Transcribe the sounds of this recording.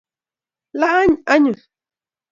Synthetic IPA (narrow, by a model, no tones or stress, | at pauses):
laaɲaɲʊs